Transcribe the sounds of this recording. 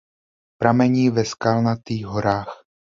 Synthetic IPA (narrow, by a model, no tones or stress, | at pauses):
pɾamɛɲiːvɛskalnat̪iːɦoɾaːx